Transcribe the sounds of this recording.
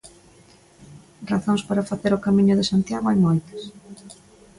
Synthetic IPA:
raθõŋspaɾafaθeɾʊkamĩɲʊðɪsant̪jaɣoajmojt̪ɐ̥s

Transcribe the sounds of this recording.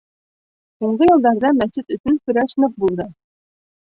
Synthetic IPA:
suɴɢɤjɤ̆lˠd̪ɑɾðɑmæɘt̪ɵ̆sɘnkɵ̆ɾæʃnɤq̚bulˠd̪ɤ

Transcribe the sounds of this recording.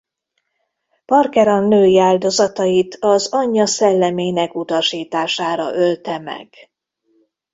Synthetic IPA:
pɒrkɛɾɒnːøːjiaːld̪o̞zɒt̪ɒjit̪ʰɒzɒɲːɒsɛlːɛmeːnɛkut̪ɒʃiːt̪aːʃaːɾɒ̰ʔølt̪ɛmɛ̰ɡ̥

